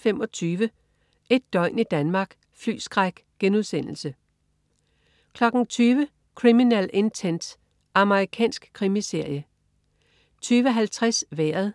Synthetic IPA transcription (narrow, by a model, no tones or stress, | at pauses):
femɒ̽t͡sʰyːʋə | e̝d̥ːɒ̽ɪ̰nid̥ænmɑ̈ːɡ̥ | fly̰ːsɡ̥ʁaɡ̥ | ɡ̥enuðˠsen̰l̩sə | kʰlɒ̽ɡ̥n̩t͡sʰyːʋə | kʰʁiminæle̝nt͡sʰend̥ | ʔɑ̈məʁikʰɛ̰ːnsɡ̥kʰʁimise̝ɐ̰jə | t͡sʰyːʋəɦælt͡sʰʁasʋæɐðˠ